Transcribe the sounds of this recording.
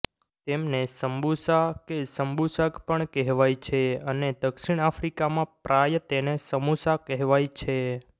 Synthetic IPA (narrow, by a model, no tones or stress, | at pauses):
t̪emnesəmbusakesəmbusəkpəɳkɛɦʋajt͡ʃʰeəned̪əkʃiɳ̃afʰɾikamãpɾʔajət̪enesəmusakɛɦʋajt͡ʃʰe